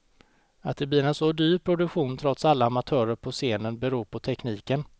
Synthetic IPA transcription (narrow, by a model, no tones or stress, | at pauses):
at̪̚d̪ɛblɪɾɛnsɔd̪yːɾpʰɾʊd̪ɵkɧuːnt̪ʰɾɔt̪salːaamat̪ʰœːɾəɾpʰɔseːnənbɛɾuːɾpʰɔt̪ʰɛkniːkən